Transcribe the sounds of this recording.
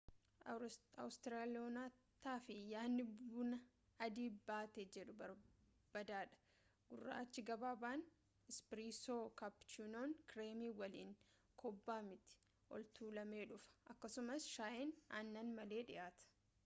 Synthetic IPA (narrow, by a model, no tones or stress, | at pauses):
ɐwst̪ɪɾaːlɪoːnaːt̪ːaːfɪjaːnːɪbʊnɐ | ɐd̪iːbaːt̪eːd͡ʒɛᶑʊbɐ | b̥ɐd̪aːᶑɐ̥ | ɡ̥ʊrːa̰ːt͡ʃːɪɡɐbaːbaːn | ɪspɾiːsoːkɐpt͡ʃunoːnkɾeːmiːwɐlḭːŋ | kʰɔbːaːmɪt̪ɪ̥ | ʔɔ̰lt̪uːlɐme̞ːᶑʊfɐ̥ʔɐkːɐsʊmɐsʃaːʔɪnɐnːɐnmɐle̞ːᶑɪʔaːt̪ɐ̥